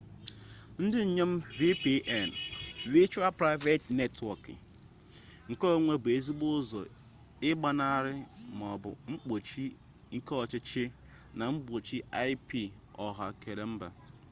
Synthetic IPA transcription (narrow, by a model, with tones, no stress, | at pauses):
n̩˦dɪ˦ɲ̩˨ɲe˦m̩˦vi˦pi˦ʔɛ˦˨n˨vi˦t͡ʃu˦a˦lpɾa˦ɪ˦ve˦tne˦twɔ˨kɪ̰˨ | ŋ̩˨kɔ˦ŋʷe˦bʊ˨e˨zi˦ɡ͡bʊ˦zɔ̰˨ | ɪ˦ɡ͡ba˦na˦˨ɾɪ˦m˨ɔ˨bʊ̰˨ŋ͡m̩˦k͡po˨t͡ʃi˦ | ŋ̩˦kɔ˦ɔ˨t͡ʃɪ˦t͡ʃɪ˦ | na˨ŋ͡m̩˦k͡po˨t͡ʃi˦a˦ɪ˦pi˨ | ɔ˨ɦa̰˨ke˨ɾe˨m̩˦ba̰˨